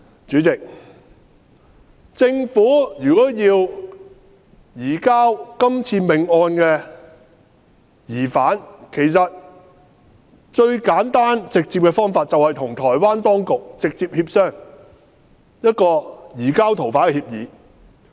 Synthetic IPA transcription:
t͡ʃyː˨˥t͡sɪ˨k̚ | t͡sɪ˧ŋfuː˨˥jyː˨˩kɔː˨˥jiː˧w | jiː˨˩kaː˥wkɐ˥mt͡sʰiː˧mɪ˨ŋɔː˧nkɛː˧ | jiː˨˩faː˨˥nkʰe˨˩js̬ɐ˨t̚ | t͡ʃɵ˧ɥkaː˨˥nt̪aː˥nt͡sɪ˨k̚t͡siː˧p̚kɛ˧fɔː˥ŋfaː˧t̚t͡sɐ˨whɐ˨jt̪ʰʊ˨˩ŋt̪ʰɔː˨˩jwaː˥nt̪ɔː˥ŋkʊ˨k̚t͡sɪ˨k̚t͡siː˧p̚hiː˧p̚sœː˥˩ŋ | jɐ˥t̚kɔː˧jiː˨˩kaː˥wt̪ʰo˨˩wfaː˨˥kɛ˧hiː˧p̚jiː˨˥

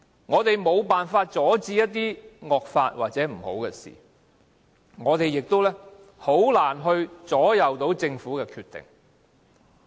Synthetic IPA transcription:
ŋɔː˨˧t̪e˨jmo˨˧wpaː˨nfaː˧t̚t͡sɔː˨˥t͡siː˧jɐ˥t̚t̪ːiː˥ŋɔː˨k̚faː˧t̚wʔa̰ː˨t̚t͡sɛː˨˥m̩˨˩ho̰˨˥wkɛ˧sḭː˨˩ | ŋɔː˨˧t̪e˨jɪ˨k̚t̪o˥wlɛː˥ | ho˨˥wlaː˨˩nɦɵ˧ɥt͡sɔː˨˥jɐ˨wt̪o˨˥wt͡sɪ˧ŋfuː˨˥kɛː˧kʰyː˧t̪ːɪ̰˨˩ŋ

